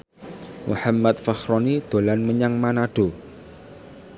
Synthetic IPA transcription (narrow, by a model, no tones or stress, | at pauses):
mṵħamːat̪̚faxɾɔnid̪̥olanməɲaŋmanaɖ̥o̤